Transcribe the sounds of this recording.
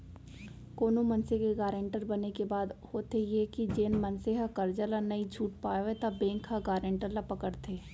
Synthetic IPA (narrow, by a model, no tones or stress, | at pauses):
koːnomɐnsekeɡaːɾẽːɳʈəɾbɐnekebaːd̪hoːt̪ejekid͡ʒeːnmɐnseɦakɐɾd͡ʒəlanɐid͡ʒʱuːʈ̚paːʋet̪ɐbẽːŋkhaɡaːɾẽːɳʈəɾlapɐkəɽt̪ʰeː